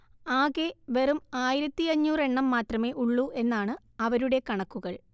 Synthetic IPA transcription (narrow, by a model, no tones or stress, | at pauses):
aːɣe̞ʋerumaːjiɾɐt̪ːiɐɲːuːre̞ɳːɐmːaːt̪rɐme̞ːʔuɭːuʔe̞nːaːɳɨ | ɐʋɐɾuɽe̞kɐɳɐkːuɣɐɭ